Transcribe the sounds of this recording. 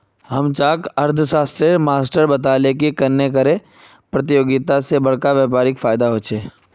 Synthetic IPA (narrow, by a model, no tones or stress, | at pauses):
ɦɐmt͡ʃaːkɐɾd̪ʱəʃaːst̪ɾemaːsʈəɾbɐt̪aːlekikɐɾnekəɾe | pɾɐt̪ɪjoːɡɪt̪asebɐɽkaʋjaːpaːɾɪkfaːjd̪aɦoːt͡ʃʰeː